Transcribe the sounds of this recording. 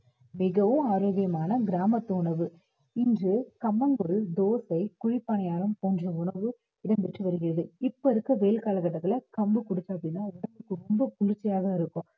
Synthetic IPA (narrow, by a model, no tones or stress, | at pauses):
mɪɣɐʋɯ̃aːɾoːɣɪjɐmaːnɐɡɪɾaːmɐt̪ːɯʊɳɐʋɯ | ɪndrɯkɐmːɐŋɡɔɭd̪oːsɐɪkʊɻɪpːɐɳɐjaːlɯmkɔnd͡ʒɐ̃ʊɳɐʋɯ | ɪɽɐmpɛʈrɯʋɐɾɯɣɪɾɐðɯɪpːoɪɾɯkːɐʋeːlkaːlɐkːɐʈːɐt̪ːɪlɐkɐmbɯkʊɽɯt͡ʃːɐɐpːɐɽɪnːaːʊɳɐpːɯkːɯɾɔmbɐpʊlɪt͡ʃːɪjaːɣɐɪɾɯkːʊ̃